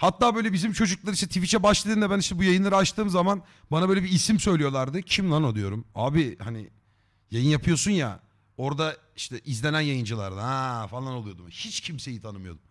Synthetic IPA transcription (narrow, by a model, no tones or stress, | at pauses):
hat̪ːaːbø̞jlʲɛbizimt͡ʃʰo̞d͡ʒuklˠaɾɯiʃt̪ɛt̪ʰifit͡ʃʰɛbaʃlˠad̪ɯːnd̪abæniʃt̪ɛbujajɯnˠaɾat͡ʃt̪ʰɯːmzaman | banabøjlʲeɛbiːsimsø̞jlʲijo̞lˠaɾd̪ɯcʰimlˠanod̪ˠujo̞ɾumaːbihanḭ | jajɯnjapʰɯjo̞sunja̰ | o̞ɾd̪a | iʃt̪ʰɛʔizlʲenænjajɯnd͡ʒɯlˠa̰ɾɯd̪hɛfalˠanolˠujo̞d̪umhit͡ʃcʰimsejit̪ʰanɯmɯjo̞d̪um